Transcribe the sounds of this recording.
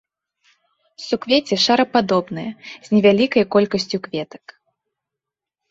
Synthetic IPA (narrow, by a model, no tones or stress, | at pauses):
sukvʲet͡sʲɛʂaɾɐpad̪ɔbnɨjɐz̥ʲnʲɛvʲalʲikɐjkɔlʲkɐsʲt͡sʲukvʲɛt̪ɐ̥k